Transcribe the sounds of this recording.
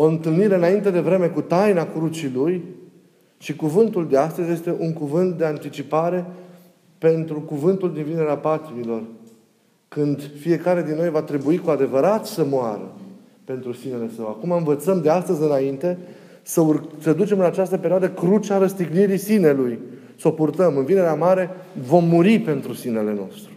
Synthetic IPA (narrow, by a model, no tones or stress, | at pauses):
o̞ɨnt̪ɨlniɾe̞ɨnaint̪e̞d̪e̞vɾe̞me̞kut̪ajnakɾut͡ʃiluj | ʃikuvɨnt̪uld̪e̞ast̪əzje̞st̪e̞ʔuŋkuvɨnt̪̚d̪e̞ant̪it͡ʃipaɾe̞ | pe̞nt̪ɾukuvɨnt̪uld̪invine̞ɾeapat̪imilo̞r | kɨnd̪fije̞kaɾe̞d̪inːojvat̪ɾe̞buikuad̪e̞vəɾat̪səmoaɾə̰ | pe̞nt̪ɾusine̞le̞səwakumaɨnvət̪səmd̪east̪əzʲɨnaint̪e̞ | səursəd̪ut͡ʃe̞mɨnat͡ʃast̪əpeɾioad̪əkɾut͡ʃaɾəst̪iɡniɾisine̞luj | so̞purt̪əmɨnvine̞ɾeamaɾe̞vo̞mːuɾipe̞nt̪ɾusine̞le̞no̞̰st̪ɾu